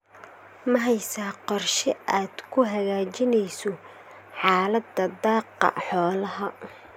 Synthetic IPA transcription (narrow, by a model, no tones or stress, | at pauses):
mɐɦɛjsaːqɔrʃɪʔaːd̪̥kʰʊɦɐɣaːt͡ʃɪnɛjsɔ | ħɑːlɐd̪ɐd̪ɑːqːɑ̰ħɔːlɐɦɐ